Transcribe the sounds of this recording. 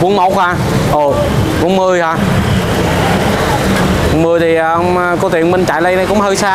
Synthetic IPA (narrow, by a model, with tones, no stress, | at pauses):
ku˨˧˦ənmo˨˧˩wk̚hwaː˧˩ | ʔo˨˩ | vṵ˧˦nmɨ˧˩əjhaː˧˨˧ | ŋ͡mmɨ˧jt̪ʰi˨˩˨ʔə˧wŋ͡mkɔ˧˦t̪ḭ˨nmï˧ŋ̟t͡ɕa̰˧˨jlə˧jnə˧kʊ̰˧˥˦ŋ͡mhəː˧jsaː˧